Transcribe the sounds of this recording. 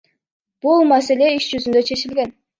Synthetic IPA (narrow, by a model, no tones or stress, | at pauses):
b̥ulˠmase̞le̞iʃd͡ʒyzynd̪øt͡ʃʰe̞t͡ʃilɡʲe̞n